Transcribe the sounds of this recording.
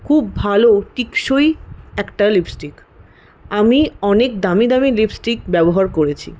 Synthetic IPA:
kʰubbʱaloʈikʃojɛkʈalipsʈik | amiɔnekd̪amid̪amilibsʈik̚bɛboɦaɾkoɾet͡ɕʰḭ

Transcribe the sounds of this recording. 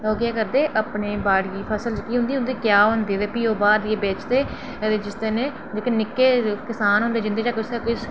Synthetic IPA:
oːɡjaːkəɾd̪eːʔəpneːbaːɽjiːpʰəsəld͡ʒkiːɦʊ̃nd̪iːʊ̃nd̪iːkjaːɦʊ̃nd̪eːd̪eːpiːoːbaːd̪eːbeːt͡ʃd̪eː | t̪eːd͡ʒɪst̪ənẽː | d͡ʒekənɪkːeːkɪsaːnɦʊ̃nd̪eːd͡ʒɪ̃nd̪eːd͡ʒaːkɪsekɪs

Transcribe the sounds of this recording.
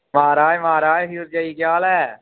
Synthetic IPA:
maːɾaːjmaːɾaːɦiɾd͡ʒaːiːkjaːlɛː

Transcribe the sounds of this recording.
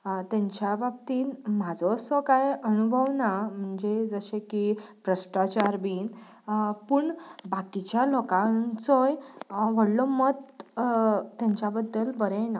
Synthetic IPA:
t̪ãɲt͡ɕjababt̪iːnmad͡zʱɔsɔkajənubʱəʋnam̤əɳd͡zed͡zəɕẽkibɾəsʈat͡ɕaɾbiːn | puɳbakit͡ɕjalɔkãnt͡sɔjʋəɽlɔmət̪ | ãɲt͡ɕjabəd̪ːəlbəɾɛna

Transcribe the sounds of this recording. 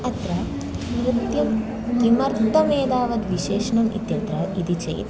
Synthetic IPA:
ɐt̪ɾɐ | kɾut̪jɐm | kimɐɾt̪d̪ɐmeːd̪aːʋɐd̪ʋiʃeːʃɐɳɐmḭt̪jɐnt̪ɾɐid̪it͡ʃɐ̰j̰t̪

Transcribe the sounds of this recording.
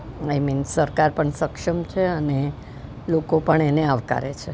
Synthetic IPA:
ajminsəɾkaɾpəɳsəkʂəmt͡ʃʰeəne | lokopəɳeneaʋka̰ɾet͡ʃʰe

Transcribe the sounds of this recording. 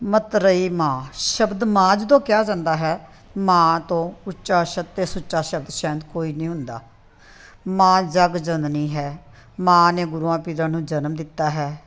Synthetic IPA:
mət̪ɾəiːmãːʃəbd̪mãːd͡ʒəd̪õːkɪjaːd͡ʒãːnd̪aːɦɛː | mãːt̪õːʊt͡ʃːʃaːʃət̪t̪ːeːsʊt͡ʃːʃaːʃəbd̪ʃɛ̃ːnd̪koːiːnĩːɦʊnd̪a̰ː | mãːd͡ʒəɡd͡ʒənnĩːɦɛː | mãːneːɡʊɾuːãːpiːɾãːnũːd͡ʒənmd̪ɪt̪ːaːɦɛː

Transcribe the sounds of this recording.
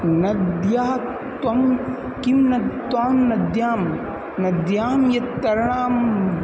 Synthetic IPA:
nɐd̪jaː | t̪wɐm | kimnɐt̪ːwaːmnɐd̪jaːm | nɐd̪jaːmjɐt̪ːɐɾɐɳaːm

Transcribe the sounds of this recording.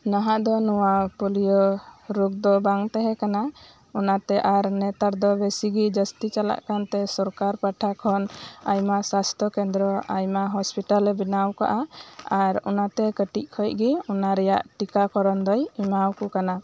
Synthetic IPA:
naɦaʔd̪ɔnɔwapɔlijɔɾuk̚d̪ɔbaŋt̪ɛɦɛkana | ɔnat̪ɛʔaɾnɛt̪aɾd̪ɔbesiɡid͡ʒəst̪it͡ʃala̰ʔkant̪ɛsɔɾkaɾpaʈʰakʰɔnajmasast̪ʰɔkɛnd̪ɾɔajmaɦɔspiʈalɛbinawka̰ʔaaɾɔ̰nat̪ɛkəʈic̚ˀkʰɔj̚ɡiɔnaɾɛja̰ʔʈikakɔɾɔnd̪ɔjimawkukana

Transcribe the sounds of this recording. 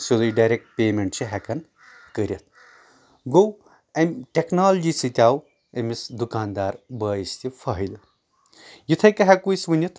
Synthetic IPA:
sud̪ujɖajɾek̚ʈ̚peːmeɳʈt͡ʃʰiɦɐkɐn | kɐɾʲjɐt̪̚ʰ | ɡow | ɐmʈeknaːlɐd͡ʒisɨt̪ʲaːw | ɐmisd̪ukaːnd̪aːɾbɐːjist̪ʲifʰɐɦil | jit̪ʰɐjkɐɦɐkuisʋɐnʲjɐt̪ʰ

